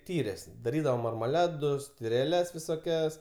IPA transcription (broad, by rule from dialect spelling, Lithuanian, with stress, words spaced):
ˈtʲiːrʲeːs dɐˈrʲiːdɐʋoː mɐrmɐˈlˠɑːdʊs tʲɪrʲɛˈlʲɛs ʋʲɪsoːˈkʲɛs